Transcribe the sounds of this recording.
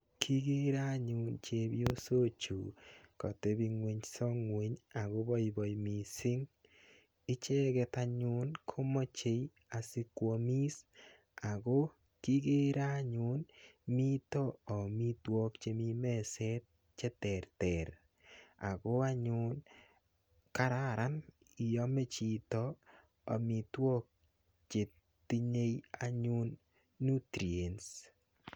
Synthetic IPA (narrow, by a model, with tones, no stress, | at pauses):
kʰi˦ɡe˦ɾa˦ɲʊ˨nt͡ʃe˨bjo˦so˦t͡ʃu˨kɔ̰˨te˦bi˨˧ŋwe˨ɲsɔ˦ŋwe˨ɲa˨ɣo˦bɔ˦jbɔ˨jmi˨sɪ˦ŋ | ɪ˦t͡ʃɛ˦ɣɛ˨ta˨ɲʊ˦nkʰo˦mɔ˦t͡ʃe˨j | a˨sɪ˦kwɔ˧mi˦s | a˨ɣo˦ | ki˦ɡe˦ɾa˦ɲʊ˨˦nmi˦toː˦˨mi˦twɔ˦kt͡ʃe˨mi˦mɛ˦sɛ˦t̚ | t͡ʃɛ˦tɛ˨ɾtɛ˨ɾ | a̰˨ɡo˦a˦ɲʊ˦n | ka˦ɾa˦ɾa˦n | i˨jɔ˦me˦t͡ʃi˨t̪ɔ˦ | ɔ̰˨mi˨twɔ˦k̚ | t͡ʃe˨ | t̪i˦ɲe˦ja˦ɲu˦nː | u˦tɾi˨e˨ns